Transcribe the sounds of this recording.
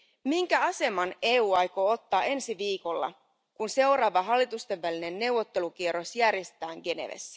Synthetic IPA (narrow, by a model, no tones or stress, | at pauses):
miŋkæɑse̞mɑne̞ːuːɑjko̞ot̪ːɑːe̞nsiʋiːko̞lːɑ̰ | kunse̞wɾɑːʋɑɦɑlːit̪ust̪e̞ʋʋæline̞nːe̞uwːot̪ːe̞luk̟ieɾo̞sjærjest̪æːŋɡe̞ne̞̰ʋḛsːæ̥